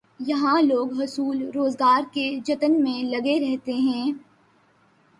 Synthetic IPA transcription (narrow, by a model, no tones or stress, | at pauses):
jɐɦãloːɡɦʊsuːlɾoːzɡaːɾked͡ʒɐt̪ənmẽlɐɡeɾɛɦt̪eɦɛ̃ː